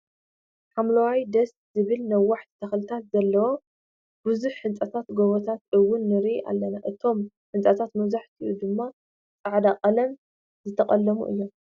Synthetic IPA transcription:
ħamlɐwajd̪ɐst̪zɨβɨlnɐwːaħt̪t̪ʰɐxlɨt̪ʰat̪zɐlːɐwo̞ | bɨzuħħɨnt͡sʼɐt̪ʰat̪ɡoβot̪ʰat̪ʔɨwːʊnːɨɾiʔa̰lːɐnaʔɨt̪ʰo̞m | ħɨnt͡sʼɐt̪ʰat̪mɐβzaħt̪ʰiʔud̪ɨmːa | t͡sʼaʕd̪aqʼɐlɐm | zɨt̪ʰɐχʼɐlːɐmṵʔɨ̰jːo̞m

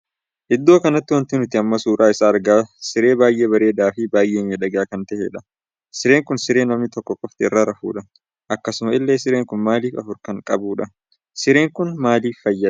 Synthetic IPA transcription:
ʔɪd̪ːo̞ːkɐnɐt̪ːɪwɐnt̪ɪnʊt̪ːɪɐmːɐsuːɾʔaːɪsaːɾɡaːsɪɾe̞ːbaːjʔe̞ːbɐɾe̞ːd̪aːfɪbaːjʔeːmeːᶑɐɡaːkɐnt̪ɐʔeᶑɐ | sɪɾe̞ːŋkʊnsɪɾe̞ːnɐmnɪt̪ɔkːɔkʼːɔft̪ɪɪrːɐɾɐfṵːᶑɐ | ʔɐkːɐsʊmɐɪlːe̞ːsɪɾeːŋkʊnmaːliːfɐfʊɾkɐŋkʼɐbuːᶑɐ | sɪɾe̞ːŋkʊnmaːliːfːɐjːɐ

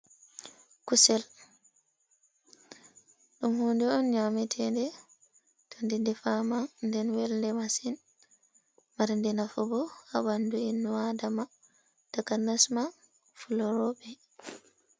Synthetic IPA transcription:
kusɛl | ɗumhuːndɛɔnɲamɛtʰɛndɛ | tʰɔndidɛfamanndɛnwɛlndɛmasin | maɾndɛnafubɔabanduinːuwadama | takanasma | fulɔɾɔbɛ

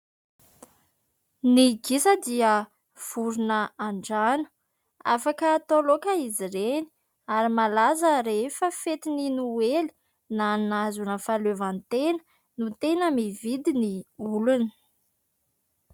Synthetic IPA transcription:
niɡisəd̪iə | v̥uɾunəaɳɖ͡ʐanu̥ | a̰fakəːt̪olokəiziɾeni̥ | aɾimalazəɾefəfet̪ininueli̥ | nanazunəfalevant̪enə̥ | nut̪enəmivid̪iniulunə̥

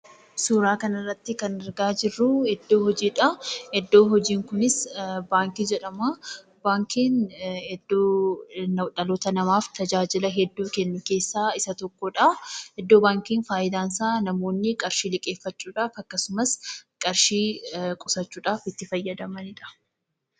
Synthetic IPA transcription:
suːɾaːkɐnɐrːɐt̪ːɪkɐnɛɾɡaːd͡ʒɪrːuɛd̪ːo̞ːhɔd͡ʒiːᶑɐɛd̪ːo̞ːɦɔd͡ʒiːŋkʊnɪsbaːŋkid͡ʒɛᶑɐmaː | baːŋkiːnɛd̪ːoːnɐᶑɐloːt̪ɐnɐmaːft̪ʰɐd͡ʒaːd͡ʒɪlɐɦɛd̪ːuːkɛnːʊke̞ːsːaːɪsɐt̪ɔkːɔᶑɐhɛd̪ːo̞ːbaːŋkiːnfaːjɪd̪aːnsaːnɐmo̞ːnːɪkʼɐɾʃiːlɪkʼe̞ːfːɐt͡ʃːuːᶑaːfɐkːɐsʊmɐskʼɐɾʃiːkʼʊsɐt͡ʃːuːᶑaːfɪt̪ːɪfɐjːɐd̪ɐmɐnɪᶑɐ̥

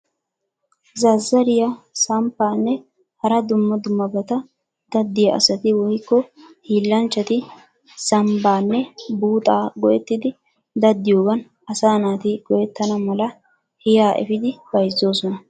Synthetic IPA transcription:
zɐzːɐɾɪjasɐmpːaːnːɛ | hɐɾɐd̪ʊmːɐd̪ʊmːɐbɐt̪ɐ | d̪̥ɐd̪ːɪjɐʔɐ̰sɐt̪ɪwɔjkːɔhiːlːɐnt͡ʃːɐt̪ɪ | sɐmbaːnːɛbuːt̪ʼaːɡɔjɛt̪ːɪd̪ɪ | d̪ɐd̪ːɪjoːɡɐn | ɐsaːnaːt̪ɪɡ̥ɔjɛt̪ːɐnɐmɐlɐ | hɪjaːʔɛ̰fɪd̪ɪbɐjzːoːsɔnɐ

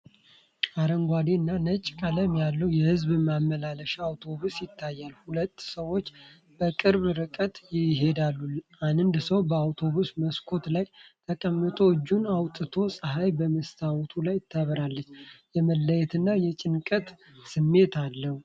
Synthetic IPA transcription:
aɾəŋɡʷad̪enːanət͡ʃʼːkʼaləmjalːəwjɛhɨzbɨmamːəlaləʃaːwt̪ʰo̞βusjɪt̪ʰːajːalhulət̪ːsəwo̞t͡ʃː | b̥əkʼɨɾβɾɨkʼət̪jɪɦe̞d̪alːuanɨnd̪səwbəawt̪ʰo̞βusməskʰo̞t̪lajt̪ʰəkʼəmːɨt̪ʰo̞ɨd͡ʒːunawt̪ʼɨt̪ʰo̞sʼəɦajbəməst̪ʰawt̪ʰulajɪt̪ʰːəβɾalːət͡ʃːjɛməlːəjɛt̪ɨnːajɛt͡ʃʼɪnkʼət̪ | sɨmːe̞t̪ʰalːəhu

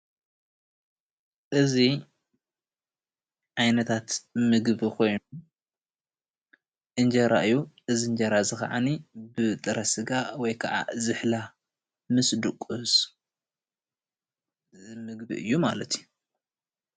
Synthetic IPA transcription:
ʔɨzi | ʕajnɐt̪ʰat̪mɨɡbikʰo̞jnu | ʔɨnd͡ʒɐɾa̰ʔɨjːuʔɨzind͡ʒɐɾazɨxa̰ʕa̰nibɨt̪ʼɨɾɐsɨɡawɔjkʰɐʔa̰zɨħla | mɨsd̪ɨkʼːus | mɨɡbḭʔɨ̰jːumalɐt̪ʰiju

